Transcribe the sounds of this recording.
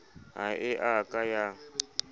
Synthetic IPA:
ɦa̰ɪʔakʼaja

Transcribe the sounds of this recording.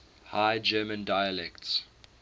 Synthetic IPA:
haɪd͡ʒɜːmə̃ndaɪəlɛkts

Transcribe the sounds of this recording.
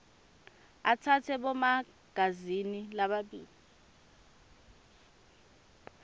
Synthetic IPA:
atʰatʰɛɓɔma | ɡ̥ʱazinilaɓaɓiːli

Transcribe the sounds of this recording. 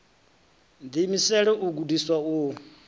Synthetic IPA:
d̪imisɛɺɛʔuɡudiswau

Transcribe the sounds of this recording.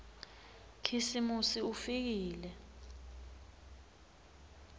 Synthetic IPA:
kʰisimusiufik̬iːlɛ

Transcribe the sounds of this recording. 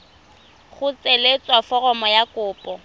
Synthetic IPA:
χʊt͡sʼelet͡sʼwafɔrɔmɔjakʊːpʼɔ

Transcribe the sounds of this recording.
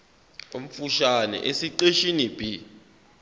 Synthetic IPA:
om̩fuʃanɛ̰ʔesiǀeʃinib̥ʱi

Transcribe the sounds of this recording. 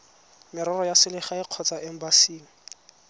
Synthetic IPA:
mɪɾɔrɔjasɪlɪχaɪq͡χʰɔt͡saʔɛm̩basiːŋ̩

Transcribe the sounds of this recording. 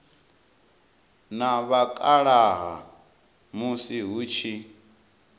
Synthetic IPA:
naβakʼaɺaɦa | musiɦut͡ʃʰi

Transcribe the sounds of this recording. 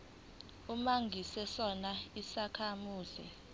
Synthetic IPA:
umaŋɡʱisɛsɔnaisakʰamuːzḭ

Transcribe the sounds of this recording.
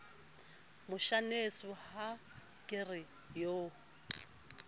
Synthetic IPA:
mʊʃanesʊha | kʼɪrɪ | joː

